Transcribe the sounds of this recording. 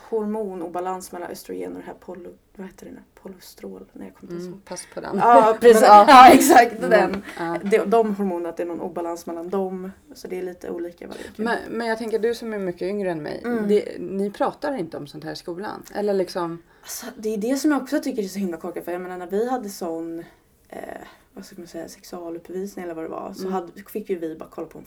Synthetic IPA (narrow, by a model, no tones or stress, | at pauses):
hʊɾmuːnuːbalansmɛlːa̰nʔœ̰st̪ɾʊ̰jḛːnɔd̪ɛnæ̰ɾpʰɔlʊ | vaheːt̪əɾɛnpʰʊlʊst̪ɾoːlnæ̰ɾja̰ːkʰɔmːt̪ɪspʰaspʰɔd̪ɛ̰nɑɾɛːɑɛksak̚t̪d̪ɛnɑd̪ɛd̪ɔmɦʊɾmuːnənat̪̚d̪ɛnɔnṵːbalansmɛlːand̪ɔm | sɔd̪ɛːɭiːt̪ʰə̰ṵːliːkava̰ɾjmɛnmɛnjaɡt̪ɛŋkəd̪ɵsɔmæɾmʏkːəʏŋɾəɛnmɛ̰jd̪ɛnɪpʰɾɑːt̪aɾɪnt̪əɔmsɔnt̪hæːɾɪskuːla̰nʔɛ̰lːəɭɪksɔm | asɔd̪ɛjɵd̪ɛsɔmjaɔksɔt̪ʰʏkːəɾɛsɔhɪmlakʰɔkːafœɾjameːnaɳæɾvɪhad̪ːəsɔn̰ | vaskkːmansɛjːa̰sɛksɵɑːlɵpːviːsnɪŋɛlːəɾvad̪ɛ̰va̰sɔɦad̪fɪkːjɵvɪba̰ɾakʰɔlːapʰɔɛ̰n